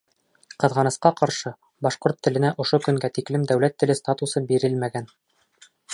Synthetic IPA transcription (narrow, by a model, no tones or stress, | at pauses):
qɤ̆ðʁɑnɤ̆sqɑqɑɾʃɤ | bɑʃqoɾt̪ːɘ̆lɘ̆næʔŏʃokɵ̆ŋɡæt̪iklɘmd̪æwlæt̪ːɘ̆lɘst̪at̪usɤbiɾɘlmæɡæn